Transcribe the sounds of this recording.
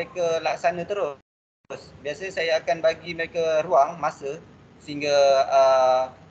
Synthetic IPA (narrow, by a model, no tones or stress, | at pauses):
ekalaksanãt̪əɾʊ | sbiasasajaːkanbaɡiməɾekaɾuaŋmasə | səiŋɡaə